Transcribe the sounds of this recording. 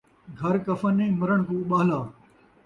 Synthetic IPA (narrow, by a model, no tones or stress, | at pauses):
ɡʱɐɾkɐfənẽːmɐɾəɽ̃kũːɓaːɦlaː